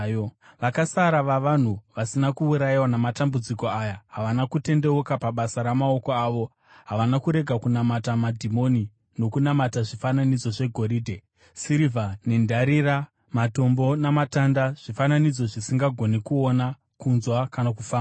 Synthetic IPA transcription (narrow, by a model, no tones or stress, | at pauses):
ʋakasaɾaʋaʋan̤uʋasinakuːuɾaiwanamatambud͡ziko̞ajaɦaʋanakute̞nde̞ukapaɓasaɾamao̞ko̞aːʋo̞ | ɦaʋanakuɾe̞ɡʱakunamatamadʱimo̞ni | no̞kunamataʐifananid͡zo̞ʐe̞ɡʱo̞ɾiːdʱe̞ | siɾivane̞ndʱaɾira | mato̞mbo̞namatandaʐ̥ifananid͡zo̞ʐisiŋɡaɡʱo̞nekuo̞na | kunzwakanakufaːma